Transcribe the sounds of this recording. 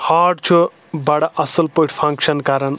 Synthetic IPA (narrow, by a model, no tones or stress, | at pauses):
haːɖt͡ʃʰu | baɽaʔɐsəlpoʈpʰɐ̃ŋkʃɐnkaːɾɐn